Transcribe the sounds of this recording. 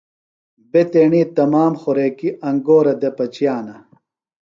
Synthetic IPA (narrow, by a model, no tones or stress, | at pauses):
bet̪eːɳiːt̪ɐmaːmxoɾeːkiʔɐŋɡoːɾɐd̪epɐt͡ɕijaːnɐ